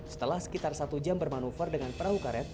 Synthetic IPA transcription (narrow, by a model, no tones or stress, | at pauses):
sə̥t̪əlahsə̥kit̪arsat̪ud͡ʒambərmanufərdəŋanpəɾaɦukaɾɛt̪̚